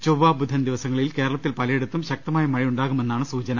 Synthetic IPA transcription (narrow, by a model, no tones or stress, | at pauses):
t͡ɕowʋːaːbud̪ʱːɐnd̪iʋɐsɐŋːɐɭilkeːɾɐɭɐt̪ːilpɐlɐjeɽut̪ːumɕɐk̚t̪ɐmaːjɐmɐɻijuɳɖaːɣume̞nːaːɳɨsuːt͡ɕɐnɐ